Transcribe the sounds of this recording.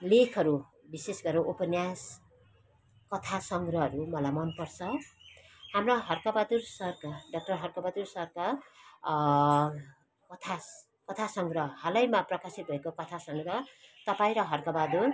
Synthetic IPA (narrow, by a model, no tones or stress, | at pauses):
lekʰʌɾu | bisesɡʌɾoʔopʌnjas | kʌt̪ʰasʌŋɡrʌɦʌɾumʌlajmʌnpʌrt͡sʰʌ | hamroɦʌrkabad̪ursʌrkaɖʌk̚ʈʌrɦʌrkʌbad̪ursʌrka | kʌt̪ʰa | kʌt̪ʰasʌŋɡrʌɦalʌjmaprʌkasit̪̚bʱʌekokʌt̪ʰasʌŋɡrʌt̪ʌpaĩɾʌɦʌrkabad̪ur